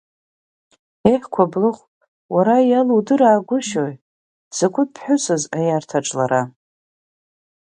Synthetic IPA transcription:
eħʲʷkʷʰablɨχʷ | waɾajaludɨɾaːɡʷʊʃoj | z̥akʷʰʼʊd̚pʰħʊsɨzajartʰaʈ͡ʂʼlaɾa

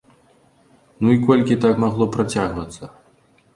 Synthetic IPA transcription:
nuikɔlʲkʲit̪akmaɣlˠɔpɾat͡sʲaɣvɐt̪sːɐ

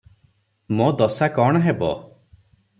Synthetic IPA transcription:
mod̪ɔsakɔɽ̃ɔɦebɔ̰

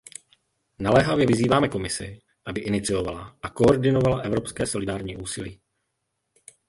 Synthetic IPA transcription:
nalɛːɦavjɛvɪziːvaːmɛko̞mɪsɪ̰ | ʔabɪʔɪnɪt͡sɪo̞valaʔako̞oɾdɪnovalaʔɛvɾo̞pskɛːso̞lɪdaːɾɲiːʔuːsɪliː

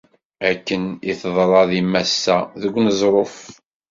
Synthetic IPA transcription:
ækːəniθðˤɾˤɑðimæsːæðəɡʷːnəzˤɾˤof

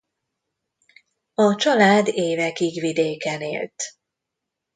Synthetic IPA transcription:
ɒt͡ʃɒlaːd̪eːvɛkiɡʋid̪eːkɛnḛːlt̪

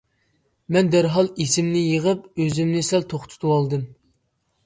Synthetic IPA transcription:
mɛnd̪æɾɦɑlˠisɪmnɪjəʁəp̚øzymnɪsɛlt̪ʰoχt̪ʰu̥t̪ʰuwɑlˠd̪ɨm

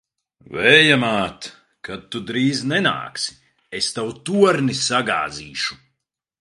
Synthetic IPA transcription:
vɛjamaːt̪ | kad̪̚t̪ːud̪ɾiːznɛna̰ːksi̥ | est̪awt̪uɔɾnisaɡa̰ːziːʃu̥

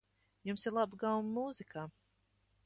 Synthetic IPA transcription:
jumsiɾlˠabɡawmmuːzikaː

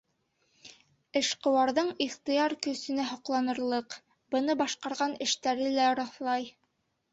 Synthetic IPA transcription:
ɘ̆ʃqɤ̆wɑɾðɤɴiχt̪ɤ̆jɑɾkɵ̆sɵ̆næɦŏqlˠɑnɤ̆ɾlˠɤq | bɤ̆nɤbɑʃqɑɾʁɑnɘ̆ʃt̪æɾɘlæɒɾɑθlˠɑj

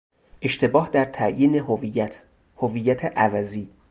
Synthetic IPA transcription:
ʔe̞ʃt̪ʰe̞bɒːhd̪æɾt̪ʰæjiːnehovijæt̪ʰ | hoviːjːæt̪ʰeʔævæziː

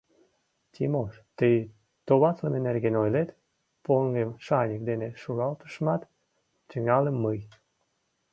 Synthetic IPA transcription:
t̪ʲʰimoʃt̪əj | t̪oβɑt͡slənenerɣenojlet̪ | poŋɡemʃɑnʲək̚d̪eneʃuɣɑlt̪ə̥ʃmɑt̪ | t̪ʲəŋɑləmːəj

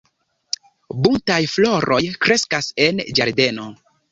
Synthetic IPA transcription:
buntajflo̞ɾʔo̞jkɾe̞skase̞nd͡ʒaɾde̞no̞

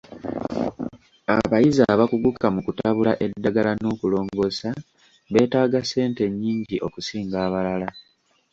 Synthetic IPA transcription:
aβajizaβakuɡukːamukutaβulaʔe̞dːaɡalano̞ːkulo̞ːŋɡo̞sa | βe̞ːtaːɡase̞ːnte̞ɲːiːɲɟiʔo̞kusiːŋɡaːβalala

